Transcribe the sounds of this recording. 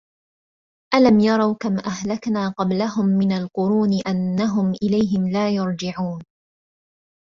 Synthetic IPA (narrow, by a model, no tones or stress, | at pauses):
ʔalamjɑɾˤɑwkamʔahlaknaːqɑblaɦʊmːɪnalqʊɾuːnɪʔanːaɦʊmʔɪlajɦɪmlaːjʊɾˤd͡ʒɪʕuːn